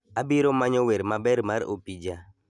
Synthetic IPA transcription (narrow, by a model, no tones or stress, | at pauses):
abiɾomaɲɔwɛɾmabɛɾmaɾo̰pid͡ʒa